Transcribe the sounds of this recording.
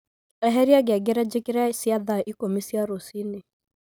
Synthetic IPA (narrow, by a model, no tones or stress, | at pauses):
aɦɛɾiaɡɪaɡeɾad͡ʒekiɾasiaðaʔikomisiaɾosine